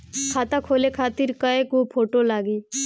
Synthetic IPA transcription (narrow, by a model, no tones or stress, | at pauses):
kʰat̪akʰolekʰat̪iɾkaekopʰoʈolaɡi